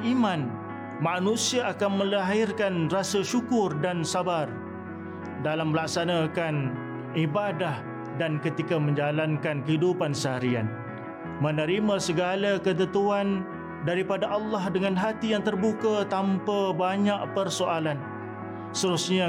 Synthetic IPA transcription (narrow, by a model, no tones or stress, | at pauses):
imãn | manũsiaʔakanmə̃laɦɪrkanrasaʃukʊrdansabar | dalamːəlak̚sanakan | ibadah | dankət̪ikamə̃ɲd͡ʒalankankəɦidupansəɦaɾia̰n | mənəɾimãsəɡalakət̪̬ət̪uan | daɾipadaʔɑlːɑhdəŋanɦat̪ijaŋt̪ərbukat̪ampabaɲaʔpərsoʔalan | st̪əɾusɲa